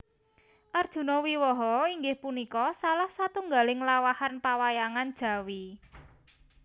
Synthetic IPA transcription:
ʔard̥ʒ̥ṳnɔwiwɔɦɔiŋɡɪhpunikɔsalahsat̪uŋɡalɪŋlawahanpawajaŋand̥ʒ̥ä̤wi

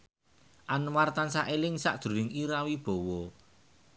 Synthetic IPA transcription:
ʔanwart̪ansaʔelɪŋsa̰ʔd̪̥ɾṳɾɪŋiɾawib̥oɔ̤wɔ

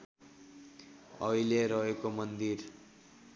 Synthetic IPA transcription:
ʌileɾʌɦekomʌnd̪iɾ

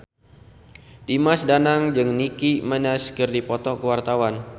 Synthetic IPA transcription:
dimasdanaŋd͡ʒɨŋnikimənɛskɨrdipɔt̪ɔkəwart̪awan

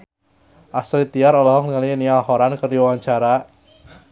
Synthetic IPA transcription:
ʔasɾit̪iaɾɔlɔɦɔŋnəŋaliniahɔɾankəruwaɲt͡ʃaɾa

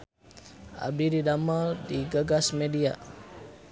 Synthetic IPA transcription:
ʔa̰biɾidaməldiɡaɡasmedia̰

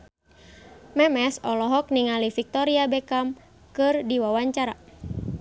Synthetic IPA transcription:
mɛmɛsɔlɔɦɔk̚niŋalifik̚t̪ɔɾiabɛkam | kɨrdiwawaɲt͡ʃaɾa̰

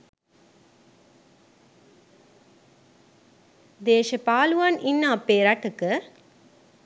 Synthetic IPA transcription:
d̪eːʃɐpaːluʋaninːaːpeːɾaʈːɯkːɯ

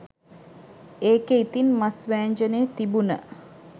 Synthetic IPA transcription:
eːkeit̪inmasʋæːɲd͡ʒəneːt̪ibunə

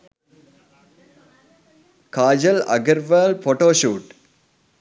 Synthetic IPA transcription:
kaːd͡ʒɐlɐ̰ɡɐɾʋɐlpoːʈoːʃuːʈ

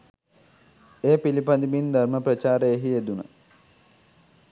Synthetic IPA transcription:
eːpilipad̪imind̪ʱarməprət͡ʃaːɾəeɦied̪unə̰

